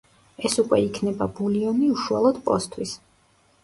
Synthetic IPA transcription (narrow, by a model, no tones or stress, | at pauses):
ɛsukʼwɛikʰnɛbabuliɔniuʃualˠɔd̪̥pʼɔst̪ʰwis